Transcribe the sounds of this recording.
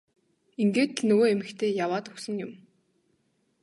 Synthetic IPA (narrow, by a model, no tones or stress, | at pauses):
iŋɡeːt̪̆ɮnɵɣoːemɘ̆kt̪ʰeːjawaːt̪ɵksɵ̆ŋjʊm